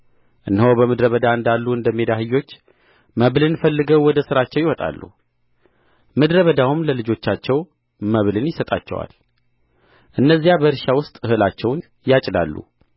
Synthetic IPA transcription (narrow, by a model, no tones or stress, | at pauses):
ʔɨnːhowbəmɨd̪ɾəβəd̪aɨnd̪alːuɨnd̪əmːed̪aɦɨjːo̞t͡ʃː | məβlɨnfəlːɨɡəwwɔd̪əsɨɾat͡ʃːɛwjɪwɔt̪ʼa̰lːṵ | mɨd̪ɾəβəd̪awumləlɨd͡ʒo̞t͡ʃːat͡ʃːɛw | məβlɨnjɪsət̪ʼa̰t͡ʃːɛ̰wa̰l | ʔɨnːəzːijabəɨɾʃawʊst̪ʼɨhɨlat͡ʃːɛwn | jat͡ʃʼda̰lːṵ